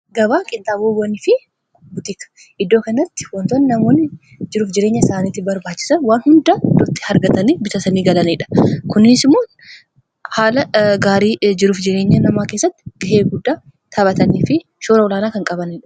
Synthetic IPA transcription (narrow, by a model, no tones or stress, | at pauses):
ɡɐβaːkʼɪnt̪ʼaːboːwɐnɪfɪ | bʊt̪ɪkɐ̥ | ʔɪd̪ːo̞ːkɐnɐt̪ːɪ̥wɔnt̪onːɪnɐmo̞ːnːɪ | d͡ʒɪɾuːfd͡ʒɪɾe̞ːɲːɐɪsaːniːt̪ːɪbɐɾbaːt͡ʃːɪ̥sɐnwaːnhʊnd̪aːd̪ʊt̪ʼːɪ̥hɐɾɡɐt̪ɐniːbɪsɐsɐniːɡɐlɐnɪᶑɐ̥kʊnɪɪsɪmːoː | haːlɐɡaːɾiːd͡ʒɪɾuːfd͡ʒɪɾe̞ːɲːɐnɐmaːke̞ːsːɐt̪ːɪ̥ɡɐheːɡʊd̪ːaː | t̪ʰɐbɐt̪ɐniːfɪʃoːɾɐwɔlaːnaːkɐŋkʼɐbɐnɪᶑɐ̥